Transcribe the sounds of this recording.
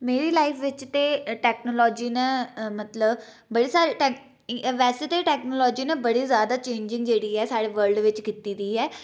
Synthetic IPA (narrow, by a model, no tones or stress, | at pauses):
meːɾiːlaːipʰʋɪt͡ʃt̪eːʈɛːknoːlɔːd͡ʒiːnɛ̃mət̪ləb | bəɽiːsaɾʈɛ | ʋɛːseːt̪eʈɛːknoːlɔːd͡ʒiːnɛbəɽiːzjaːd̪aːt͡ʃẽːɲd͡ʒɪ̃ŋɡd͡ʒeːɽiːɛːsaːɽeːʋəɾlɖʋɪt͡ʃkiːt̪iːd̪iːɦɛː